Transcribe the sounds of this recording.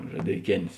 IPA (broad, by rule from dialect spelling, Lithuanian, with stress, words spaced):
ʒɐdʲɛɪˈkʲeːnʲsʲ